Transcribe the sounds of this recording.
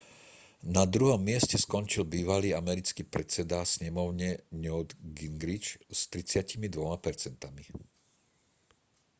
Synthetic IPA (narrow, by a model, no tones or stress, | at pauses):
nad̪ɾuɦɔmːɪɛscɛskɔnt͡ʃilbiːʋaliːamɛɾit͡skiːpɾɛt͡sɛd̪asɲɛmɔʊɲɛɲɔd̪ɡiŋɡɾit͡ʃst̪ɾit͡sɪacimid̪ʋɔmapɛɾt͡sɛnt̪ami